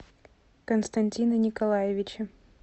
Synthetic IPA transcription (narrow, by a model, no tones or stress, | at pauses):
kənst̪ɐnʲtʲinənʲɪkɐlˠajɪvʲɪt͡ɕɪ